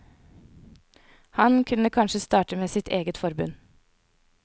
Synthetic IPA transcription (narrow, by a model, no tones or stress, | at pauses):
hɑnkʰʉnəkʰɑnʃəst̪ɑːʈəmeːsɪt̪ʰeːɡət̪fɔɾbʉ̰n